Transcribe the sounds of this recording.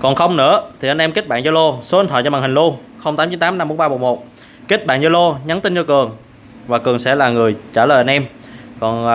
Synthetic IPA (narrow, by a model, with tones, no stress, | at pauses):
kɔ˨˩nxə˧wŋ͡mnɨ̰˧˥ət̪ʰi˨˩ʔa˧nʔɛ˧mki˦˥t̚ɓa̰ː˧˨zɔ˧lo˧so˨˦ʔnt̪ʰəː˧˨t͡ɕɔ˧˩ɓaː˨˩hï˨˩ŋ̟lu˧ | xə˧wŋ͡mt̪aː˨˦mt͡ɕi˨˦nt̪aː˨˦mna˧mːu˧˦ŋ͡mɓaː˧o˨˩t̚mo˨˩t̚ | ki˦˥k̚ɓa̰ː˧˨nzɔ˧lo˧ɲa˨˦nt̪i˧nt͡ɕɔ˧kɨ˨˩əŋ | vaː˨˩kɨ˨˩əŋsɛ̰˧˥laː˨˩ŋɨ˨˩əjt͡ɕaː˧˩ləː˨˩jʔa˧nʔɛ˧mkɔ˨˩n